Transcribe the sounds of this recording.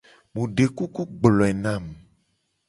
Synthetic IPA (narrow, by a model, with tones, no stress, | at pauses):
mũ˨ɖe˨ku˦ku˦ɡ͡blɔ̃˨ɛ˨nã˦˨m